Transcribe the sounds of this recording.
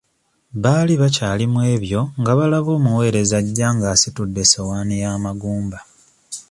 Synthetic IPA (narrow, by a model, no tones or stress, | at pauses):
βaːliβacaːlimwe̞ːβjo̞ŋɡaβalaβo̞ːmuwe̞ːɾe̞zaɟːaːŋɡasitudːe̞sewaːnijaːmaɡuːmba